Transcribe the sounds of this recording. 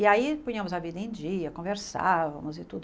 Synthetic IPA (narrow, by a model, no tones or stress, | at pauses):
ɪaipũĩɐ̃mʊzavid̪ɐẽd͡ʒiɐkõveɾsa̰vɐ̰̃mʊzɪt̪ud̪ʊ